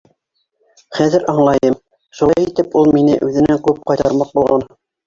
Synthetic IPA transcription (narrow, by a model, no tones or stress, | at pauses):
χæðɘɾɑɴlˠɑjɤm | ʃuɑjit̪ɘpulˠminɘ̰ʔʉðɘ̆næŋkʉp̚qɑjt̪ɑɾmɑq̚bulˠʁɑn